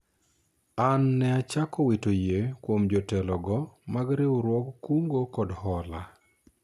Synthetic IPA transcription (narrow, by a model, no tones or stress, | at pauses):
anːɛat͡ʃakɔwetojekwomd͡ʒɔtɛlɔɡɔmaɡɾewɾwɔkkuŋɡokɔdhɔla